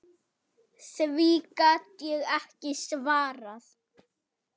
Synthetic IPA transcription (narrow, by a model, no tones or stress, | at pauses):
sviːkat̪jɛɣɛhcɪsvaːɾaθ